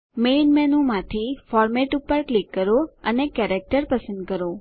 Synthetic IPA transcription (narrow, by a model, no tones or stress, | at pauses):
menmɛnũmãt̪ʰifɔɾmeʈupəɾklikːəɾoənekɛɾek̚ʈəɾpəsənd̪̚kəɾo